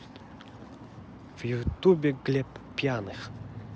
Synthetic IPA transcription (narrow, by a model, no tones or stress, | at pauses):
vjut̪ubʲɛɡlʲɛppʲjanɨx